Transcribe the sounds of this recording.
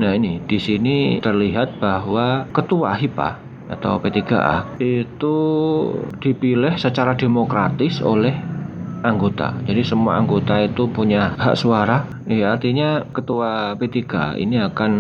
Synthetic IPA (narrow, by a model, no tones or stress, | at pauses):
nainid̥isinit̪ərliɦat̪̚b̥aɦwakət̪ua̰ɦipa̰h | a̰t̪a̰wpet̪iɡa̰ʔa̰hit̪u | d̥ipilɪhsət͡ʃaɾademokɾat̪ɪso̰lɛhʔaŋɡot̪a̰d͡ʒadisəmua̰aŋɡot̪ait̪upuɲaɦa̰ʔsuaɾa | jaːrt̪iɲakət̪uapet̪iɡ̥a̰ḭniakan